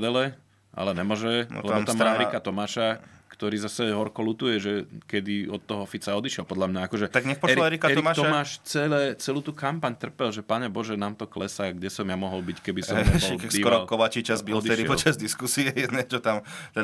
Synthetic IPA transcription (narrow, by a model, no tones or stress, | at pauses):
d̪ɛlɛ | ʔa̰lɛɲɛmʊɔʒɛ̰lɛbɔt̪amːaaːɛɾikat̪ɔmaːʃakt̪ɔɾiːzasɛɦɔɾkɔlut̪ujɛʒɛkɛd̪iɔt̪ːɔɦɔɔfit͡saɔd̪iʃɪɛlpɔd̪ʎamɲaakɔʒɛt̪aɡɲɛxpɔɛɾiɛɾikatɛɾmat̪ɔmaːʃt͡sɛlɛːt͡sɛluːt̪uːkampaɲt̪r̩pɛlʒɛpaɲɛbɔʒɛnaːmt̪ɔklɛsaɡɟɛsɔmjamɔɦɔlbickɛbisɔɛɛbksiɔɾɔlkɔʋat͡ʃit͡ʃazbiɔt͡sd̪iɛʃɾiɛpɔlt͡ʃazd̪iskusiɛjɛd̪nɛt͡ʃɔt̪amt̪ɛ